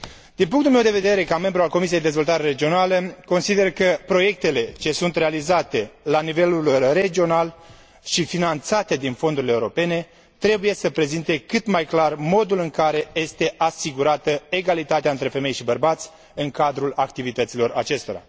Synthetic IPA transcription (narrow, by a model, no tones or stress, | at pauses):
d̪̥inp̬uŋkt̪ulmewd̪e̞ve̞d̪e̞ɾe̞kame̞mbɾualko̞misijed̪ed̪ezvo̞lt̪aɾe̞ɾe̞d͡ʒio̞naləko̞nsid̪e̞rkəpɾo̞je̞k̚t̪e̞le̞t͡ʃe̞sunt̪re̞alizat̪e̞lanive̞lulre̞d͡ʒio̞nal | ʃifinant̪sat̪e̞d̪info̞nd̪uɾileuɾope̞ne̞ | t̪ɾe̞buje̞səpɾe̞zint̪e̞kɨt̪majklarmo̞d̪ulɨŋkaɾe̞je̞st̪e̞ʔasiɡuɾat̪əe̞ɡalit̪at̪eaɨnt̪ɾe̞fe̞me̞jʃibərbat̪sʲ | ɨŋkad̪ɾulak̚t̪ivit̪ət̪silo̞ɾa̰t͡ʃe̞st̪o̞ɾa̰